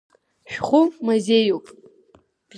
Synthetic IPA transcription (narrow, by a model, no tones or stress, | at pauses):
ʃᶣχʷʊmazejopʼ